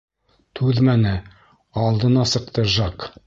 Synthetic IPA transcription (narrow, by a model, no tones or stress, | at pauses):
t̪ʰʉðmænɘ | ɑlˠd̪ɤ̆nɑsɤ̆q̚t̪ɤʒɑq